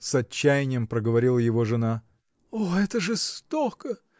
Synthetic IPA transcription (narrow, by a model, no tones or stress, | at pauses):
sɐt͡ɕːæjɪnʲɪjəmpɾəɡəvɐɾʲilˠəjɪvo̞ʐɨna | oɛt̪əʐɨst̪okə